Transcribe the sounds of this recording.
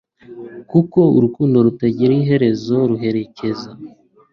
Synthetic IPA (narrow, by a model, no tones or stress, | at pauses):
kuko̞ṵɾukuːndo̞ɾutaɟiɾiiɦe̞ɾe̞zo̞ɾuɦe̞ɾe̞ce̞za